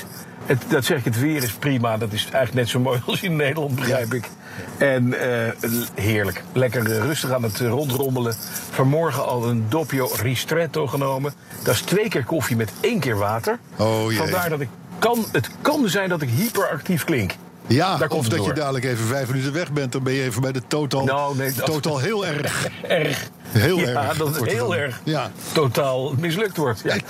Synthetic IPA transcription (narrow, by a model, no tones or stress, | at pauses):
ətdɑtsɛχɪkɦətʋɪːrɪsprimadɑtɪsɛjxχləknɛtsowmojɑlˠsɪnːejdəɹlɑnt̚bəχrɛjpɪk | ɛnəɦɪːɹləklɛkərrɵstəχaːnətrɔntrɔmbələ | v̥ɑnmɔɹχəɑlˠəndopjowristrɛtowχənowmə | d̥aːɪstʋejkɪːɹkofimɛtejnkɪːɹʋaːtəɹojfɑdaːɹdɑtɪk | ɑnətkɑnzɛjndɑt̬ɪkɦipəɹɑktifklɪŋk | jadaːɹɔmvdɑdːjəɹdaːdələkejvəvɛjfmənytənʋɛχbɛnt̚dɑnbɛnjəejvənbɛjdətotɑlˠnowneotɑlˠɦɪːlˠɛrχɛrχ | ɦeːlɛɹdɑɦɪːlˠɛɹχjatotaːlˠmɪs̬lɵk̚tʋɔɹtja